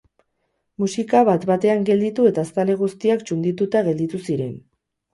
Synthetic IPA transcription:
musikaβat̪bat̪e̞aŋɡe̞ld̪it̪ue̞t̪ast̪ale̞ɣ̞ust̪iakt͡ʃund̪it̪ut̪aɣe̞ld̪it̪usiɾe̞̰n

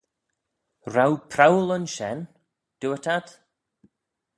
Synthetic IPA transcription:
ɾawpʰɾawlənʃɛn | d̥uətʰad̥

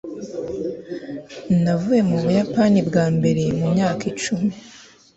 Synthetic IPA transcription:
navuje̞muβujapanibɡaːmbe̞ɾe̞mumɲaːkit͡ʃumi

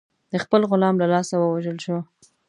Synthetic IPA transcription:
d̪̥əxpəlɣʊlɑmlalɑsawəwaʒəlʃo

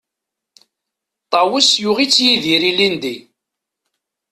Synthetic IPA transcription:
t̪ˤɑwisjʊʁit͡sːjiðiɾilind̪i

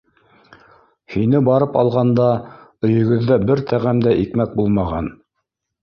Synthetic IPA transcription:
hinɘbɑɾɤpɑ̰lˠʁɑnd̪ɑ | ɵ̆jɵ̆ɡɵ̆ðːæbɘɾt̪ʰæʁæmd̪æʔikmæk̚bulˠmɑʁɑn

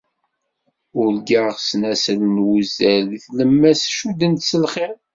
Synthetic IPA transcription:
ʊɾɡaʁsnæslnwuzæliθləmːæsʃud̪ənt̪səlχeʁ

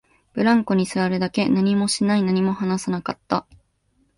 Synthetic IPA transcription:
b̥ɯ̟ɾãŋko̞ɲ̟isɨβaɾɯ̟d̪ake̞naɲ̟imo̞ɕinainaɲ̟imo̞hanasanakat̪ːa

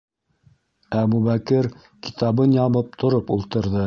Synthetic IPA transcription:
æbuβækɘɾ | ki̥t̪ɑβɤnjɑβɤp̚t̪ʰŏɾopulˠt̪ɤ̆ɾðɤ

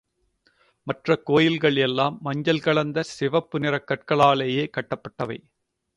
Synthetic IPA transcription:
mɐʈrɐkoːjɪlɣɐɭɛlːaːmːɐɲd͡ʒɐlkɐɭɐnd̪ɐsɪʋɐpːɯnɪrɐkːɐʈ̚kɐɭaːɭeːjeːkɐʈːɐpːɐʈːɐʋɐɪ

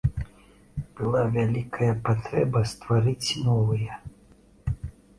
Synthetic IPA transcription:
b̥ɨlˠavʲalʲikʰɐjɐpat̪ɾɛbɐst̪vaɾɨt͡sʲnɔvɨjɛ

